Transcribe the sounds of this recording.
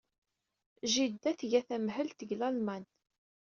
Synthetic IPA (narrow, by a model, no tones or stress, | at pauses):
ʒid̪ːæθʝæθæmɦəlt̪əɡlɑlmæn